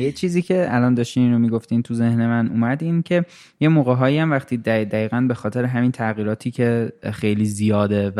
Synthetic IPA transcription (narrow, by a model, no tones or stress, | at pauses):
jet͡ʃʰiːziːcʰe̞ælɒːnd̪ɒːʃt̪iːninɾomiːɡoft̪iːnt̪ʰuze̞hne̞mænʔṵːmæd̪incʰe̞ | je̞moːɣeɦɒːiæmvæχt̪ʰiːd̪æd̪æiːɣænbexɒːt̪ʰeɾeɦæmiːnt̪ʰæɣiːɾɒːt̪ʰiːcʰe̞xe̞jliːzijɒːd̪e̞